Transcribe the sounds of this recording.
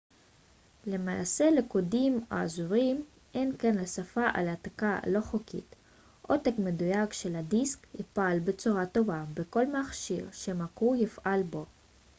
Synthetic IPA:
le̞mala̰selekodimo̰a̰zuʁim | ʔenkenlasafaʔa̰lat̪akalo̞χokʰḭt̪ | ʔot̪ekmedujakʃeladiskipalbet͡suʁato̞vabeko̞lmaχʃiʁʃemakujifʔalbo̞

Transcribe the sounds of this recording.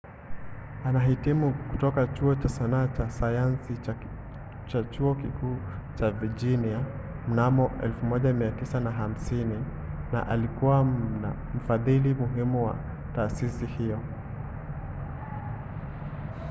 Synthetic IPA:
anaɦitimuku̥tɔkat͡ʃuɔt͡ʃasanaːt͡ʃasajansi | t͡ʃat͡ʃuɔkikuːt͡ʃavid͡ʒinia | m̩namɔʔɛ̰lfumɔʄamiatisanaɦam̩sini | na̰ʔalikuwana | m̩faðilimuɦimuwa̰ | taːsisihijɔ

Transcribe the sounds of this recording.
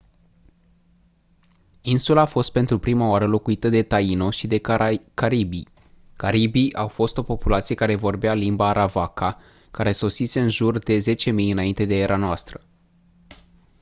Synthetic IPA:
insulaːfo̞st̪̚pe̞nt̪ɾupɾimaoaɾəlo̞kuit̪əd̪e̞t̪aino̞ʃid̪e̞kaɾibi | kaɾibijʔawfo̞st̪o̞po̞pulat̪sije̞kaɾe̞vo̞rbealimbaːɾʔavaka | kaɾe̞so̞sise̞ɨnʒurd̪e̞ze̞t͡ʃe̞mijɨnaint̪e̞d̪ee̞ɾʔanoast̪ɾə

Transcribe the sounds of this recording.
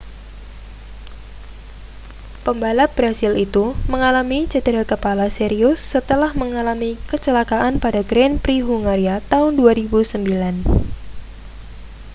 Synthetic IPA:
pəmbalat̚b̥ɾasilit̪uməŋalamit͡ʃədɾakəpalaseɾiʊsːət̪əlahməŋalamikət͡ʃəlakaʔanpadaɡɾɛnpɾiɦuŋaɾiat̪aʊnduaɾibusəmbilan

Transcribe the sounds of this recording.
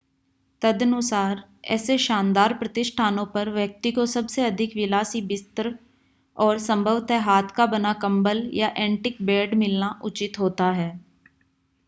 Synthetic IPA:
t̪əd̪ənʊsaːɾɛ̰ːseʃãːnd̪aːɾpɾət̪ɪʃʈʰaːnõpɐɾʋjək̚t̪ikosɐbseɐd̪ʱɪkʋɪlaːsibɪst̪ɾ | ɔːɾsə̃mbʱəʋt̪ɦɛɦaːt̪ʰkabənakɐ̃mbəljaʔɛ̃ːɳʈɪk̚bɛːɖmɪlnaʔʊt͡ʃɪt̪ɦoːt̪aɦɛː

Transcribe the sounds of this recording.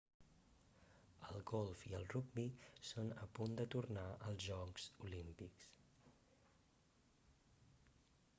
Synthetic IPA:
əlˠɡɔlˠfiəlˠruɡ̚bisonəpund̪ət̪urnaʔəlˠzʒɔkz̥ulimpiks

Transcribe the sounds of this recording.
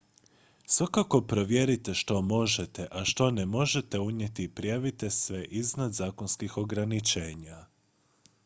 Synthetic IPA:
sʋakako̞pɾo̞ʋje̞ɾit̪e̞ʃt̪o̞mo̞ʒet̪e̞ʔaʃt̪o̞nemo̞ʒe̞t̪e̞uɲe̞t̪ipɾijaʋit̪e̞sʋe̞ʔiznad̪zaːko̞nskixo̞ɡɾanit͡ʃe̞ːɲa

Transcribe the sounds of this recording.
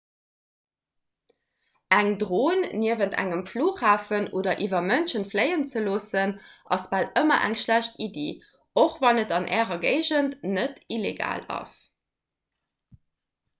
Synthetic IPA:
æŋdʁoːnːiəvəntʰæ̰ŋəmfluːχhaːfənʔoːdɐʔivɐmənʃənfləɪənt͡səloːsənʔɑsb̥aːləmɐʔæ̰ŋʃlæɕtidḛː | oχvɑnətɑnʔɛːʁɐɡə̰ɪʑəntnətileɡa̰ːlɑ̰s

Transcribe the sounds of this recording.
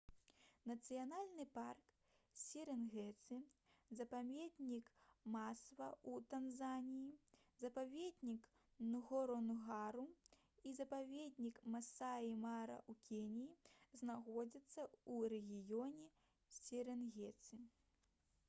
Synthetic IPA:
nɐt̪sɨjanalʲnɨpark | sʲiɾɛnɣɛt̪sɨzɐpamʲed̪ʲnʲikmasvɐut̪anzanʲiji | zɐpavʲed̪ʲnʲik | nuɣɔɾɔnɣaɾu | izɐpavʲed̪̚ʲnʲikmasaimaɾɐ̰ʔukʲenʲijiznaɣɔd͡zʲit̪sːɐuɾɛɣʲijɔnʲɛ | sʲiɾɛnɣʲɛt̪sɨ

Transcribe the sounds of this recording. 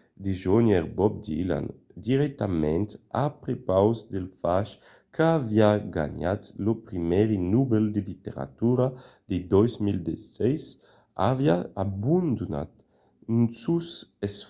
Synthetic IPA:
d̪eʒoɲɛɾbɔp̚d̪ḭla̰n | d̪iɾɛk̚t̪amɛnt̪a̰pɾepawzd̪elfaʃ | kʰaaviaɡa̰ɲat̪lopɾimɛɾinubeld̪elit̪eɾa̰t̪uɾad̪̥ed̪ɔjzmild̪esɛjs | avjaabund̪una̰t̪ | nsuses

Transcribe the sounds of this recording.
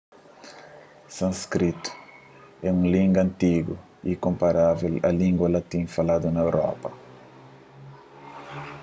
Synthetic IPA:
sɐ̃skɾit̪u̥ | ɛũŋlĩŋɡɐ̃nt̪iɡṵ | ikõmpaɾavelɐ̰lĩŋɡwɐlat̪ĩɲfalad̪unɐewɾɔ̰pɐ

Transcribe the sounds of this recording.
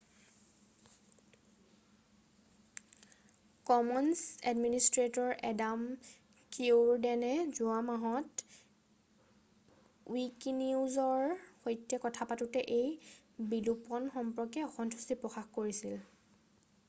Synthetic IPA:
kɔmɔnsɛ̰dministɹetɔɹʔɛdam | kiɹdɛnɛzʊamaɦɔt | wikniuzɔɹxojtjɛkɔtʰapatutɛʔej | bilupɔnxɔmpɹɔkɛɔxɔntʰusipɹɔxaxkoɹisil

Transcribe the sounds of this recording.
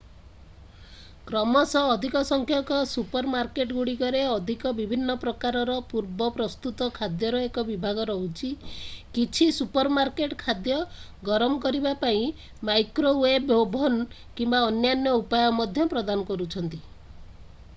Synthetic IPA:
kɾɔmɔsɔːd̪ʱikɔsɔŋkʰjɔkɔsupɔɾmaɾkeʈɡuɽikɔɾeɔd̪ʱikɔbibʱinːɔpɾɔkaɾɔɾɔpuɾbɔpɾɔst̪ut̪ɔkʰad̪jɔɾɔekɔbibʱaɡɔɾɔɦut͡ʃʰikit͡ʃʰisupɔɾmaɾkeʈkʰad̪jɔ | ɡɔɾɔmɔkɔɾibapaĩ | majkɾowebobʱɔn | kimbaɔnjanjɔupajɔmɔd̪ʱjɔpɾɔd̪anɔkɔɾut͡ʃʰɔnt̪i

